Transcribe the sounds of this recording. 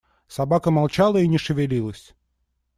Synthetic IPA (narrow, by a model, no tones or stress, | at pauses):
sɐbakəmalˠt͡ɕalˠəinʲɪʂɨvʲɪlʲilˠəsʲ